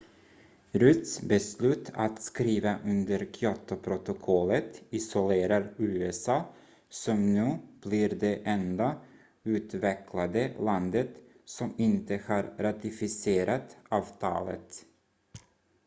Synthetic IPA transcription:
ɾʉt̪sbɛslʉ̟ːt̪ʰa̰t̪skɾiːvaʔɵnd̪əɾkʰjɔt̪ʊpʰɾʊt̪ʊkʰɔlːət̪ɪsʊleːɾaɾʉːɛsɑː | sɔmnʉ̟ːb̥lɪɾd̪ɛʔɛnd̪a | ʉ̟ːt̪vɛkʰlad̪əland̪ət̪ | sɔmɪnt̪əhaɾɾat̪ɪfɪseːɾat̪ɑːvt̪ʰɑ̰ːlə̰t̪

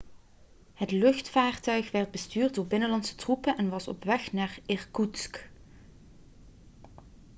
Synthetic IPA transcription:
ɦətlɵxtfaːrtœɥxʋɛrd̚bəstyːrd̚dʊːɹbɪnəlɑntsə̥trupənʔɛnʋɑsɔ̰pʋɛxnaːrɪrkutsk

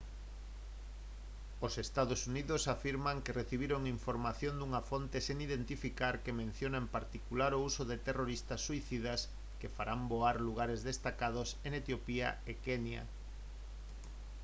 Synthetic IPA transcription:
osest̪aðosuniðʊsafiɾmaŋkereθiβ̞iɾoŋiɱfoɾmaθjond̪uŋafont̪eseŋiðent̪ifikaɾkemẽn̟θjonaempaɾt̪ikulaɾousoðet̪eroɾist̪ɐsːuiθiðas | kefaɾamboaɾluɣ̞aɾezðest̪akað̞oseŋet̪jopia̰ekenja̰

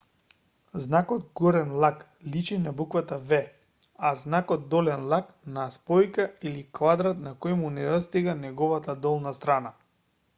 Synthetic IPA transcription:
znakɔd̪̚ɡɔɾɛnlˠak | lit͡ʃinabukvat̪avɛ | aznakɔt̪̚ːɔlɛnlˠak | naspɔjkailikvad̪ɾat̪nakɔjmunɛd̪ɔst̪iɡanɛɡɔvat̪ad̪ɔlˠnast̪ɾana

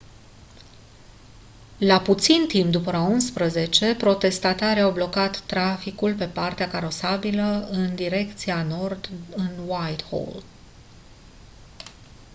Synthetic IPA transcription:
laput̪sint̪impd̪upəaunspɾəze̞t͡ʃe̞pɾo̞t̪e̞st̪at̪aɾiawblo̞kat̪ːɾafikulp̬e̞part̪eakaɾo̞sabiləɨnd̪iɾe̞kt̪siano̞rd̪ɨnwajt̪ho̰l

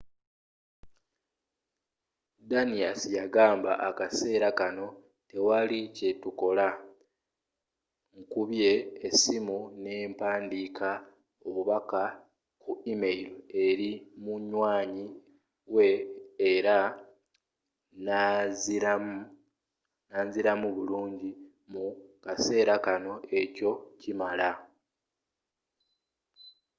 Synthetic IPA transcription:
daniasijaɡaːmba̰ʔakase̞ːɾakano̞ | te̞walice̞tuko̞la | ŋkuβje̞ːsimune̞ːmpaːndikʰa | oβuβaka | kuimeiloe̞ɾimuɲwaːɲi | we̞ːɾa | na | naɲziɾamuβuluːɲɟi | mukase̞ːɾakano̞e̞co̞cimala

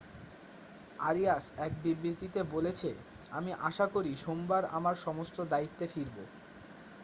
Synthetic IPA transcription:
aɾiasɛk̚bibɾit̪it̪ebolet͡ɕʰe | amiʔaʃakoɾiʃombaɾa̰maɾʃɔmost̪od̪ait̪ːefiɾbo̰

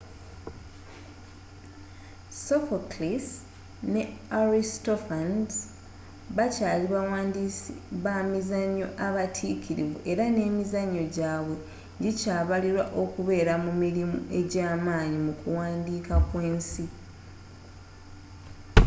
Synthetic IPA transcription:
sofoklis | ne̞aɾistofan | βacaːliβawaːndiβamizaɲːo̞̰ʔaβatʰiːkʰiɾḭvuʔe̞ɾane̞ːmizaɲːo̞ɟaːβwe̞ | ɲɟicaːβaliɾwaʔo̞kuβe̞ːɾamumiɾimṵe̞ɟaːmaːɲimukuwaːndiːkakwe̞ːnsi

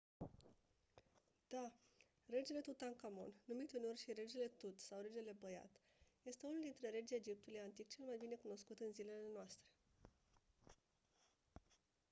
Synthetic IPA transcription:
d̪̥a | re̞d͡ʒele̞t̪ut̪aŋkamo̞̰nːumit̪ʲuneo̞rʲʃiɾe̞d͡ʒele̞t̪ut̪sawɾe̞d͡ʒele̞bəja̰t̪ | je̞st̪e̞unuld̪int̪ɾe̞ɾe̞d͡ʒed͡ʒip̚t̪ulejant̪ikt͡ʃe̞lmajbine̞kuno̞skut̪ɨnzile̞lenoast̪ɾe̞̥

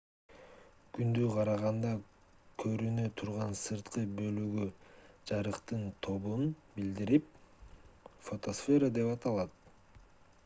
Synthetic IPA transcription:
kynd̪yqʰɑɾɑʁɑnd̪ɑ | kʰø̞ɾynøt̪ʰuɾʁɑnsɯɾt̪qɯbølyɡyd͡ʒɑɾɯqt̪ɯnt̪ʰo̞βunbild̪iɾip̚ | fo̞t̪o̞sfʲe̞ɾəd̪e̞pɑt̪ɑlˠɑt̪̚

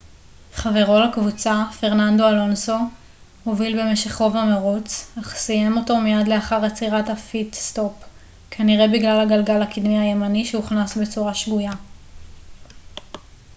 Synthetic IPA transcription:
χave̞ʁo̞lakvut͡safe̞ʁnando̞alo̞nso̞ | movilbe̞me̞ʃe̞χʁo̞vameʁut͡saχsije̞mo̞to̞mijadle̞aχaʁat͡siʁathafitsto̞p | kʰaniʁe̞biɡlalaɡalɡalakid̪miaje̞maniʃeuχnasbe̞t͡suʁaʃɡuja

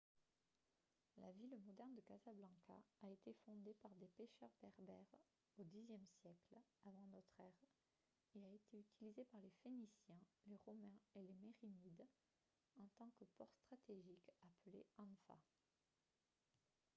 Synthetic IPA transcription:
la̰vilmɔd̪ɛʁnd̪əkazablɑ̃ka̰ːet̪efɔ̃d̪epaʁd̪epeʃœʁbɛʁbɛʁ | od̪izjɛmsjɛklavɑ̃nɔt̪χɛʁ | eaet̪eyt̪ilizepaʁlefenisjɛ̃leʁɔmɛ̃elemeʁimid̪ | ɑ̃t̪ɑ̃kəpɔʁst̪χat̪eʒikapəleɑ̃nfa̰

